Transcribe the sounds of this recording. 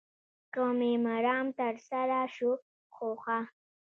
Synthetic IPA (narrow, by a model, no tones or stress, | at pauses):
komemaɾɑmt̪aɾsaɾaʃu | xoxa